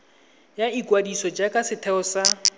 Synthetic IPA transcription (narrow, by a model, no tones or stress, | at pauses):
jaikʼwadisɔd͡ʒakʼasɪtʰɛʊsa